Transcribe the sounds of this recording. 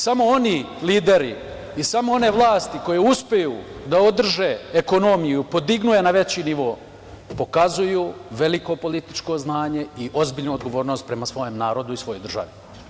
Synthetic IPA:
samo̞o̞ni | liːd̪e̞ɾi | isamo̞o̞ne̞ʋlˠaːst̪iko̞jeuspejuːd̪aod̪r̩ʒe̞ːeko̞no̞mijupo̞d̪iɡnuje̞naʋe̞t͡ɕiniʋo̞ː | po̞kazujuːʋe̞liko̞po̞lit̪i̥t͡ʃko̞znaːɲe̞iʔo̞zbiːʎnuod̪ɡo̞ʋo̞ːɾno̞ːst̪̚pɾe̞masʋo̞jemnaːɾo̞d̪uisʋo̞jod̪r̩ʒa̰ʋi

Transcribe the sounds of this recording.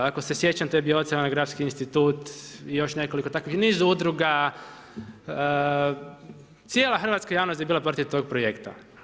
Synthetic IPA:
akose̞sje̞t͡ɕamt̪eebioot̪saanaɡɾabskiinst̪it̪uːt̪ijo̞ʃne̞ko̞liko̞t̪akʋixniːzuud̪ɾuɡa | t̪sʲje̞ːlaxr̩ʋat̪kajaːʋnost̪jebiːlˠapɾt̪iʋt̪o̞ɡ̚pɾojekt̪a̰

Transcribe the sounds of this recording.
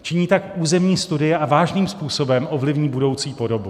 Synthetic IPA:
t͡ʃɪɲiːt̪akʔuːzɛmɲiːst̪udɪjɛʔavaːʒniːmspuːso̞bɛmʔo̞vlɪvɲiːbudo̞wt͡siːpo̞do̞bu

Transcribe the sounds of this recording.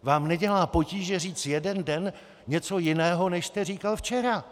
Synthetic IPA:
vaːmnɛɟɛlaːpo̞ciːʒɛr̝iːt͡sjɛdɛndɛn | ɲɛt͡so̞jɪnɛːɦo̞nɛʃst̪ɛriːkalft͡ʃɛɾa

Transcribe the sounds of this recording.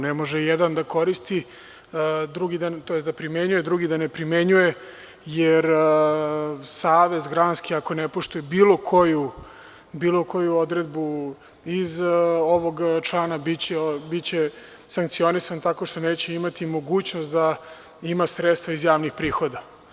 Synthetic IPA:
nemo̞ʒɛjed̪and̪ako̞ɾist̪i | d̪ɾuɡid̪ant̪ojesd̪apɾime̞ɲujed̪ɾuɡid̪anepɾimeɲuje | jeɾ | saːʋe̞zɡɾaːnskiako̞nepo̞ʃt̪ujebiːlˠo̞kʰo̞ju | biːlˠo̞ko̞juo̞d̪ɾed̪̚bu | izo̞ʋo̞ɡt͡ʃlˠaːnabit͡ɕebitt͡ɕe | saŋk̚t̪sio̞nisant̪ako̞ʃt̪o̞neːt͡ɕeimat̪imo̞ɡuːt͡ɕno̞st̪d̪a | imasɾet̪st̪ʋaizjaːʋnixpɾiːxo̞d̪a

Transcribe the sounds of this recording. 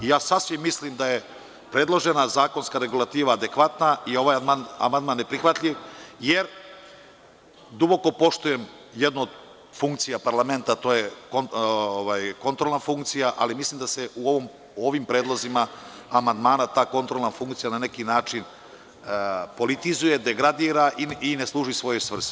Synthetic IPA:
ijaːsasʋimːislimd̪aje | pɾe̞dlˠo̞ʒenazaːko̞nskaɾe̞ɡulˠat̪iːʋaːd̪e̞kʋat̪naio̞ʋajmana̰mand̪maːnːepɾixʋat̪ʎʲiʋjeɾ | d̪ubo̞ko̞po̞ʃt̪ujem | jed̪nuod̪ | fuŋk̚t̪sijapaɾlˠame̞nt̪at̪oːjekooʋajko̞nt̪ɾolˠnafuŋkt̪sijaʔa̰limislimd̪aseʔuoʋom | o̞ʋimpɾe̞ːd̪lˠo̞zima | amand̪maːnat̪aːko̞nt̪ɾolˠnafuŋkt̪sijanane̞kinaːt͡ʂin | po̞lit̪izuje̞d̪e̞ɡɾad̪iːɾaʔiineslˠuːʒisʋo̞jojsʋr̩s

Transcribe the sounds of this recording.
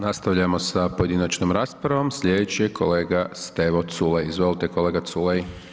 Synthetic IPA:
nast̪aʋʎamo̞sapoje̞d̪inat͡ɕnomɾaspɾaʋo̞mslʎed̪et͡ɕiekʰo̞le̞ːɡast̪eʋot̪sulejizʋo̞lit̪ekole̞ːɡat̪sulej

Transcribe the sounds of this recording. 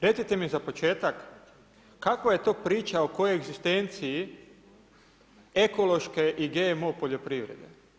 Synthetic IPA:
ɾe̞t̪sit̪e̞mizapo̞t͡ʃe̞ːt̪akː | akʋaje̞t̪o̞ːpɾiːt͡ʃaoko̞jojeɡzist̪ent̪sii | eko̞lˠo̞ʃke̞ʔiɡeːmopoʎo̞pɾiʋɾḛd̪ḛ

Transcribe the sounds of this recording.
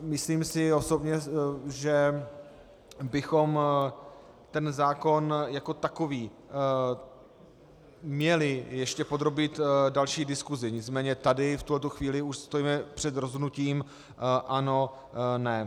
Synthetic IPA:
mɪsliːmsɪo̞so̞bɲɛʒɛ | bɪxo̞m | t̪ɛnzaːko̞njako̞t̪ako̞viː | mɲɛlɪjɛʃcɛpo̞d̪ɾo̞bit̪dalʃiːdɪskuzɪɲɪt͡smɛːɲɛt̪adɪft̪ulɛt̪uxviːlɪuʃst̪o̞jiːmɛpr̝̥ɛd̪ɾozɦodnuciːm | ʔano̞ | nɛ

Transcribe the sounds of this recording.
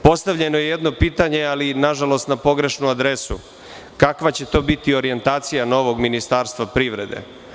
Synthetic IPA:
po̞st̪aʋʎe̞no̞jejed̪no̞piːt̪aɲe̞alinaʒalo̞st̪napo̞ɡɾe̞ʃnuad̪ɾesṵ | kakʋat͡ɕe̞t̪o̞ːbit̪io̞ɾie̞nt̪aːt̪sijano̞ʋo̞ɡminist̪aːɾst̪ʋapɾiʋɾe̞̰d̪e̞̰

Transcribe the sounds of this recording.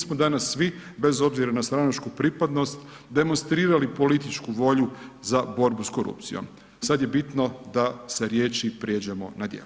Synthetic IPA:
smod̪anasːʋibe̞zo̞bziɾanast̪ɾanat͡ʃkupɾipad̪no̞st̪ | d̪e̞mo̞nst̪ɾiːɾalipo̞lit̪it͡ʃkuʋo̞ʎuzabo̞ɾbusko̞ɾṵpt̪sḭjo̞̰m | sad̪je̞bit̪no̞d̪ase̞ɾjeːt͡ʃipɾje̞d͡ʒemo̰nad̪jḛlu

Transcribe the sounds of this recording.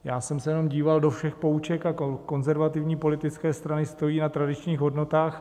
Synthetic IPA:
jaːsɛmsɛjɛno̞mɟiːvaldo̞fʃɛxpo̞ut͡ʃɛkaoko̞nzɛɾvat̪ɪvɲiːpo̞lɪt̪ɪt͡skɛːst̪ɾanɪst̪o̞jiːnat̪ɾadɪt͡ʃɲiːxɦo̞dno̞t̪aːx

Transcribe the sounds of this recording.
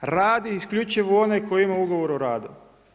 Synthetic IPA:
ɾaːd̪iiskʎʲut͡ʃiʋoonekoimauɡoʋoɾoɾaːd̪u

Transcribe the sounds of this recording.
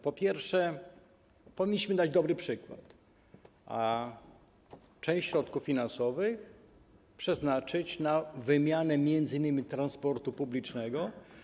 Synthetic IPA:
pɔpʲjɛɾfʂɛ | pɔvʲiɲːiɕmɘd̪ad͡ʑd̪ɔbɾɘpʂɘkwa̰t̪ | ʔa | t͡ʂɛ̃w̃ɕɕɾɔt̪kuffʲːinansɔvɘx | pʂɛznat͡ʂɘt͡ɕnavɘmʲjanɛmʲjɛnd̪zɘɨinːɘmʲit̪ɾanspɔɾt̪upublʲit͡ʂnɛɡɔ

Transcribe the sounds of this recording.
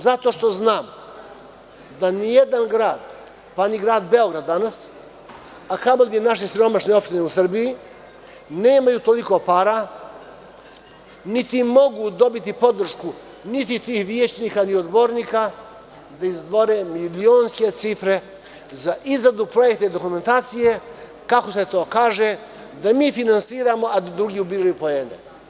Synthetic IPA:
zat̪o̞ʃt̪o̞znaːm | d̪anijed̪anɡɾaːd̪̥ | paniɡɾaːd̪be̞o̞ɡɾad̪ːanas | akamoɡ̪enaʃ̬esiɾo̞maʃne̞o̞pʃt̪ineusr̩biji | neːmajuːt̪o̞liko̞paːɾa | nit̪imo̞ɡud̪o̞bit̪ipo̞d̪r̩ʃku | nit̪it̪iːhʋjeːt͡ʃniːkaniod̪boɾniːka | d̪aizd̪ʋo̞ɾeːmilioːnske̞t̪sifɾe̞ | zaʔizɾad̪upɾo̞jekt̪eid̪o̞kume̞nt̪aːt̪sije | kako̞set̪o̞ːkaːʒe | d̪amiːfinansiːɾamo̞ʔad̪ad̪ɾuɡʲiːubiːɾajupoenḛ

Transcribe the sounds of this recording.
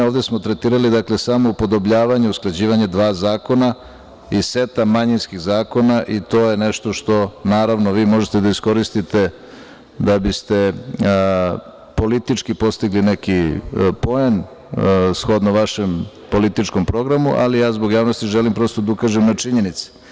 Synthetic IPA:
oːʋd̪esmo̞t̪ɾet̪iːɾalid̪akle̞samo̞upo̞d̪obʎaːʋaɲeusklˠad͡ʑiːʋaɲed̪ʋaːzaːko̞na | ise̞t̪amːaɲinskiɣzaːko̞naʔit̪o̞ːje̞neʃt̪o̞ʃt̪o̞naːɾaʋnoʋiːmo̞ʒet̪ed̪aisko̞ɾist̪it̪e̞ | d̪abist̪e̞ | po̞lit̪it͡ʂkipo̞st̪iɡlinekipo̞e̞n | sxo̞d̪naʋaʃe̞m | po̞lit̪it͡ʂko̞mpɾo̞ɡɾamuʔa̰lijaːzbo̞ɡjaːʋnost̪iʒelimpɾo̞st̪od̪ukaʒemnat͡ʂiɲe̞nit̪se̥

